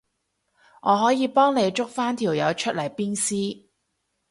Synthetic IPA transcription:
ŋɔː˨˧ɦɔː˨˥jiː˨˧pɔː˥ŋne˨˧jt͡ʃʊ˥k̚faː˥nt̪ʰiː˨˩wjɐ˨˧wt͡ʃʰɵ˥t̚lɐ˨˩jpiː˥nsiː˥

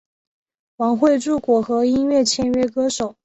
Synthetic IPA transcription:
wɑ˧˥ŋxwe˥˧ɪʈ͡ʂu˥˩kwɔ˨˩xɤ˧˥i˥nɥɛ˥˩t͡ɕʰjɛ˥nɥɛ˥kɤ˥ʂo˨˩˦ʊ

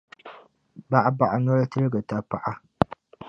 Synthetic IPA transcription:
ba˦ʔa˦ba˨ʔa˨ɲɔ˦ltɨ˦ɾɨ˦ɡɨ˨ta˨pa˦ʔa˦

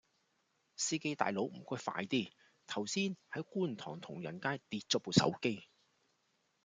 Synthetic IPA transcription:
siː˥ke˥jt̪a̰ː˨jlo˨˥wm̩˨˩kʷɔː˥jfa̰ː˧jt̪iː˥˩ | t̪ʰɐ˨˩wsiː˥nhɐ˨˥jkuː˥˩nt̪ʰɔ̰ː˨˩ŋt̪ʰʊ˨˩ŋjɐ̰˨˩nkaː˥jt̪iː˧t̚t͡sɔ˥po˨˧sɐ̰˨˥wke˥j

